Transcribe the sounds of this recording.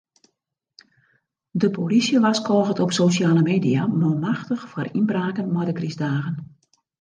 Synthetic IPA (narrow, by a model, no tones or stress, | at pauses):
dəpolisjəʋaskʰɔːɣətɔpsoːsjaːləmeːdiamɔmaxtəxfɔrinbraːkənmɔjdəkrizdaːɣən